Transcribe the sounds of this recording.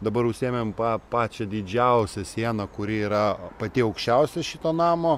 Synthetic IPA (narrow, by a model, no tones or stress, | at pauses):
d̪ɐbɐɾʊʃʲsʲeːmʲempɑːpɑːt͡ʃʲɛd̪ʲɪd͡ʒʲɛʊsʲɛsʲiɛnɐkʊɾʲɪiːɾɐpɐt̪ʲɪɐʊkʃʲt͡ʃʲɛʊsʲɛʃʲɪt̪oːnɑːmoː